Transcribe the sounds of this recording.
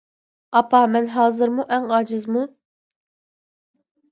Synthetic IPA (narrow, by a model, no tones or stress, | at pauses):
ɑpʰɑmɛnɦɑːzɨɾmuʔɛŋɑd͡ʒɨzmu